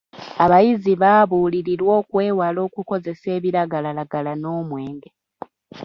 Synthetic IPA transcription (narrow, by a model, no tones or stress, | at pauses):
aβajiziβaːβuːliɾiɾwo̞ːkwe̞ːwalo̞ːkuko̞ze̞se̞ːβiɾaɡalalaɡalano̞ːmwe̞ːŋɡe